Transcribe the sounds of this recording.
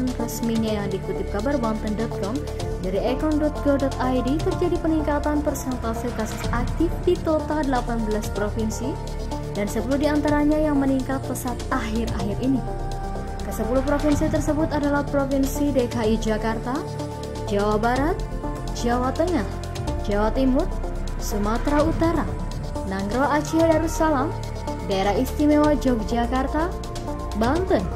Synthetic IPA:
nrəsmiɲajaŋdikut̪ɪp̚kabarwant̪əndɔt̪̚kɔm | daɾiɛkɔndɔt̪̚ɡɔdɔt̪ajdit̪ərd͡ʒadipəniŋkat̪anpərsɛnt̪asikasusak̚t̪ɪfdit̪ot̪adəlapanbəlaspɾofinsi | dansəpəluhdiant̪aɾaɲajaŋməniŋkat̪̚pəsat̪̚aɦɪraɦɪrini | kəsəpuluhpɾofinsit̪ərsəbʊt̪adalahpɾofinsidekaid͡ʒakart̪a | d͡ʒawabaɾat̪̚ | d͡ʒawat̪əŋah | d͡ʒawat̪imʊt̪̚ | sumat̪ɾaut̪aɾa | naŋɡɾoat͡ʃiadaɾusalam | daeɾaist̪imewad͡ʒauk̚d͡ʒakart̪a | bant̪ən

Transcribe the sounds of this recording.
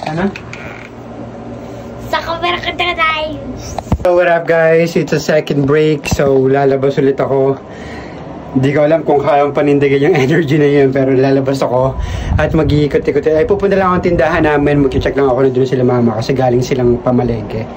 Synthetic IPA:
ɐno | sɐkɐpɛɾɐkɐd̪ɐkɐt̪aj | t̪owɐɾap̚ɡajsɪt̪sɐsɛkɐnd̪̚bɹejksowlaːlɐbɐsʊlɪt̪ɐko̞ | ɪnd̪iːkoʔɐlamkʊŋkɐaːjɐŋpɐnɪnd̪ɐɡɐɲʊŋɛnɛɹd͡ʒinɐjonpɛːɾolaːlɐbɐsɐko̞ʔɐt̪mɐɡiʔikot̪ːɪkot̪ɛɐjpuːpʊnt̪ɐlɐŋoɐŋt̪ɪnd̪aɦɐnːaːmɪnmɐɡ̚kɪt͡ʃɛklɐŋɐko̞nɐd̪ʊnsɪlamaːmɐkɐsɛɡaːlɪŋsɪlaŋpɐmɐlɛːɡɛ

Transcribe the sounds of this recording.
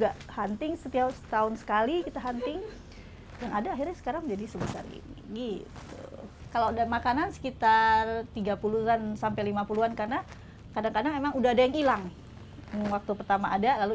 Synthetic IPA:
uɡaʔhant̪ɪŋsət̪iawst̪aʊnsə̥kalikit̪aɦant̪ɪŋ | jaŋadaːɦirɲasə̥kaɾaŋd͡ʒadisəbəsa̰rɡḭniɡit̪ṵ | kaladamakanansə̥kit̪art̪iɡapuluɦansampalimapuluankarna | kadaŋkadaŋemaŋudaːdajaŋilaŋ | ŋwak̚t̪upərt̪amaʔːdalalu

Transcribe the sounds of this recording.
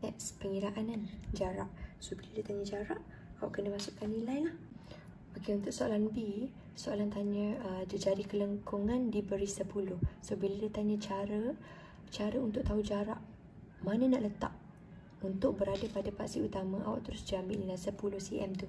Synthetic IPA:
t̪ɛʔspəŋiɾaʔanand͡ʒaɾaʔsobiladiat̪aɲəd͡ʒaɾaʔ | awaʔkənəmasʊʔkanːilajlah | bakiunt̪ʊʔ̚soalanbi | soalant̪aɲə̃ədəd͡ʒadikələŋkʰuŋãndibəɾisəpulʊhsobiladat̪aɲə̃t͡ʃaɾə | t͡ʃaɾəunt̪ʊʔ̚t̪aud͡ʒaɾa̰ʔ | manə̃naʔlət̪aʔ | unt̪ʊk̚bəɾadəpadapaʔsiut̪amãʔa̰wa̰ʔt̪əɾʊsd͡ʒambḭʔnilajsəpulʊhsiʔɛ̰mt̪u

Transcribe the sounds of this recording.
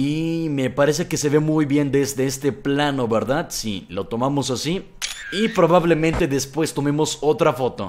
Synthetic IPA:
ime̞paɾe̞s̬e̞kese̞βe̞mujβje̞nd̪e̞zðe̞est̪e̞plano̞βe̞ɾðaðsḭlo̞t̪o̞mamo̞sasi | ipɾo̞βaβle̞mẽnt̪e̞ðe̞spwe̞st̪o̞memo̞so̞t̪ɾafo̞t̪o̞̰

